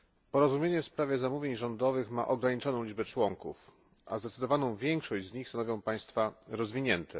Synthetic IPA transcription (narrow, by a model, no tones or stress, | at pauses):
pɔɾɔzumʲjeɲɛfspɾavʲjɛzamuvʲjeɲʐɔnd̪ɔvɘxma̰ʔɔɡɾaɲit͡ʂɔnɔ̃w̃ʲid͡ʐbɛt͡ʂwɔŋkṵf | ʔa̰zd̪ɛt̪sɘd̪ɔvanɔ̃w̃vʲjɛŋkʂɔɕd͡ʑzɲixst̪anɔvjɔ̃paj̃st̪faɾɔzvʲiɲɛnt̪ʰɛ